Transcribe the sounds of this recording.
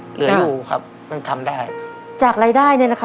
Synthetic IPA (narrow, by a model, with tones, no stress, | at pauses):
lɯ˨˦ɐa˧juː˨˩kʰa̰˦˥p̚ | ma˥˩t̪ʰa˧mdaː˥˩j | t͡ɕaː˨˩k̚ɾaː˧jdaː˥˩jnɯ˥˩na˦˥kʰ